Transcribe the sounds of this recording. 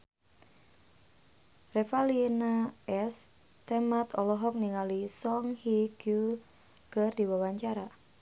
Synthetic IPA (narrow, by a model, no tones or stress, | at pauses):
refalinaɛs | t̪emat̪ɔlɔɦɔk̚niŋalisɔŋhiɡu | kərdiwawaɲt͡ʃaɾa